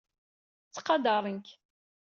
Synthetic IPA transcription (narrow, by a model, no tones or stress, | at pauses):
t͡sːqɑd̪ɑɾˤəŋk